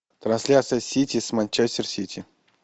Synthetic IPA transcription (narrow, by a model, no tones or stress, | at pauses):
t̪ɾansʲlʲat̪sɨjəsʲit̪ʲismanʲt͡ʃɛsʲtʲɪrsʲitʲʰi